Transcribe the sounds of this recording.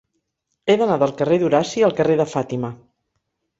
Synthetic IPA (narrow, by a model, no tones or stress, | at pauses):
eðənaðəlˠkəreðuɾasiəlˠkəreðəfat̪imə